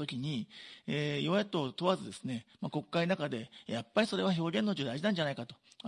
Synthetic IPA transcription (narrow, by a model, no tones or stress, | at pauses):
t̪okʲiɲ̟ieːiβajat̪o̞t̪o̞βazɨd̪e̞sɨne̞mako̞kːainakad̪e̞japːaɾʲiso̞ɾe̞βaço̞ːɡʲẽ̞nːot͡ɕod̪aiʑinãɲ̟d͡ʑanaikat̪o̞